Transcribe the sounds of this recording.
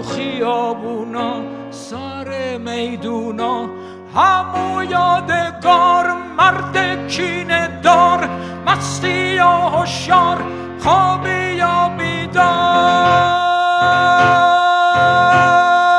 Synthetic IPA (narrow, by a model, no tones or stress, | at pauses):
χiɔːbunɔː | saɾemejd̪unɔː | hamujɔːd̪eɡɔɾmaɾd̪et͡ʃʰiːned̪ɔːɾ | masijɔːɦoʃjɔːɾ | χʰɔːbijɔːmid̪ɔ